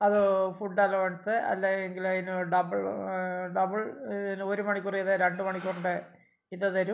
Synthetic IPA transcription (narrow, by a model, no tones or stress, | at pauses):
ɐðɨfuʈːaːlɐʋɐɳsɨɐ̰lːeeŋɡilɐinɨɖɐbɐɭɖɐbɨɭnoɾumɐɳikʲːurijɐðɨɾeɳɖɨmɐɳikʲːoɳɖɨ | iðɐðɐɾum